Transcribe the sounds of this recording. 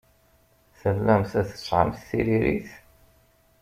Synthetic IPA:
θəlːæmθæθə̥t͡sˤːʕə̰mθθiɾiɾḭθ

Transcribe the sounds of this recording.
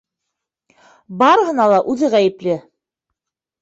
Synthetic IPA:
bɑɾɦɤ̆nɑlˠɑʔʉðɘʁæjɘ̆plɘ

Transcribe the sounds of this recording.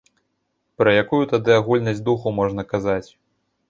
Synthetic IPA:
pɾɐjakujut̪ad̪ɨaɣulʲnɐzʲd̪uxumɔʐnɐkazat͡sʲ

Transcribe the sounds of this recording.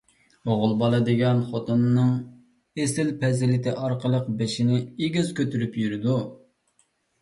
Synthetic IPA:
oʁʊlˠbɑlˠɨd̪ɨɡʲɛnχot̪unːɨŋ | esɪlpʰɛzɪlɪt̪ʰɪʔɑɾqəlˠəqbeʃinɪeɡʲiz̥kʲʰøt̪ʰyɾypjyɾɪd̪u

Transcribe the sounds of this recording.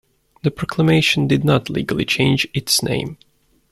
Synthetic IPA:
ðɨpʰɹ̥ɑkʰləmeɪʃə̃n̩dɨdⁿnətʰˡlḭːɡəlˠḭt͡ʃʰẽɪ̃nd͡ʒɪtsnḛ̃ɪ̃m

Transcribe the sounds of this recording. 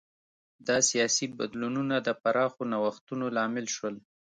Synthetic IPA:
d̪ɑsijɑsiba̰d̪lununad̪əpaɾɑxonawaxt̪unolɑmɪlʃwəl

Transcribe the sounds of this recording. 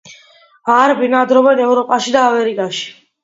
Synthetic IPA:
aɾbinad̪ɾɔvɛnɛvɾɔpʼaʃid̪aːmɛɾikʼaʃi̥

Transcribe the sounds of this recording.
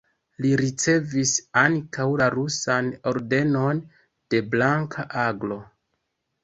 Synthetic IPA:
liɾit͡se̞visaŋkawlaɾusano̞ɾde̞no̞n | d̥e̞blaŋkʰaʔaɡlo̞

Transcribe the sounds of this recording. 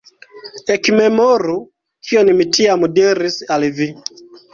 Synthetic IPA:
ɛkimɛmɔɾu | kʰiɔnimitiamudɛɾisalivi

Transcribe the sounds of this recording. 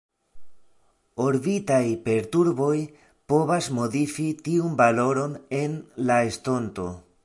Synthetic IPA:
oɾvitajpe̞ɾtuɾbo̞j | po̞vasmo̞difitiunbalo̞ɾo̞ne̞nlaesto̞nto̞

